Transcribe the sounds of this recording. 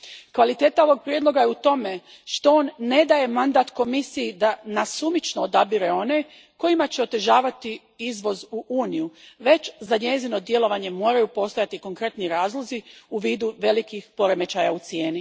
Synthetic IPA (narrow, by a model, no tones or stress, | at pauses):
kʋalit̪e̞ːt̪ao̞ʋo̞ɡ̚pɾjed̪lˠo̞ɡajeut̪o̞me̞ | ʃt̪o̞onːe̞d̪aje̞mand̪aːt̪ko̞misijid̪anasumit͡ʃnoːd̪abiɾe̞o̞ne̞ | ko̞jimat͡ɕeo̞t̪eʒaːʋat̪i | izʋo̞zuʔuːnijuʋe̞t͡ɕzaɲe̞zino̞d̪je̞lo̞ʋaɲe̞mo̞ːɾajupo̞st̪o̞jat̪iko̞ŋkɾe̞t̪niɾaːzlˠo̞ziuʋiːd̪uʋe̞likixpo̞ɾe̞me̞t͡ʃajaut̪sje̞ːni